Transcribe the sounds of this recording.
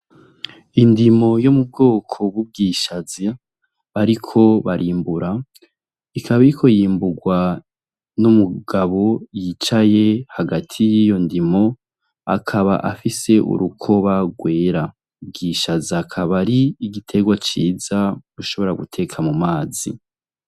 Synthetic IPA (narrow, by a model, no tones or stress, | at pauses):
indimo̞jomub̚ɡo̞ːkʰo̞βub̚ɡiːʃazi | aɾikʰo̞βaɾʔiːmbuɾa | ikʰaβaiɾikʰo̞jiːmbuɡwa | numuɡaβo̞jit͡ʃaje̞haɡatʰijijo̞ndimo̞ | a̰kʰaβa̰ʔafise̞ʔṵɾukʰo̞βaɡwe̞ːɾa | ubɡiːʃaziakʰaβaɾiːɡitʰe̞ɡwat͡ʃiːzaɾuʃo̞βo̞ɾaɡutʰe̞kʰamumaːzḭ